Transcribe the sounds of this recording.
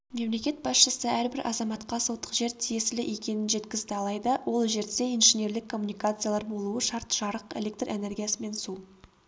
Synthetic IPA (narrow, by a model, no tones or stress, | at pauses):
me̞mle̞kʲe̞t̪̚bɑsʃəsəæɾbɪɾʔɑ̰zɑmɑt̪qɑsot̪ːə̥qʒe̞ɾt̪ʰije̞sɪlɪʔe̞kʲe̞nɪnʒe̞t̪kʲɪzd̪ɪɑlˠɑjd̪əwʔo̞lˠʒe̞ɾd̪e̞ijnʒene̞ɾlɪkʰːo̞mːunijkat̪sɨjalˠɑɾbo̞lˠuwəʃɑɾt̪ʒ̥ɑɾəqelʲe̞k̚t̪re̞ne̞ɾɡʲijasəme̞nsu